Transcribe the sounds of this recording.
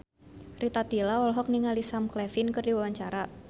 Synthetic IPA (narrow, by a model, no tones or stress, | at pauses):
rit̪at̪ilaɔlɦɔk̚niŋalisamklɛfɪnkərdiwawaɲt͡ʃaɾa